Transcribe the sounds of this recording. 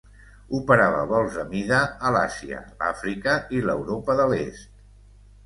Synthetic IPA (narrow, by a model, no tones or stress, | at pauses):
upəɾaβə̰βɔlˠzəmiðəːlasiə̰la̰fɾikəilə̰wɾopəðəlest̪̚